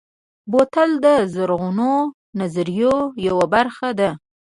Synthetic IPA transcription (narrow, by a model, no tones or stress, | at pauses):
bot̪ald̪əzaɾɣuno | nazaɾjojawabaɾxad̪a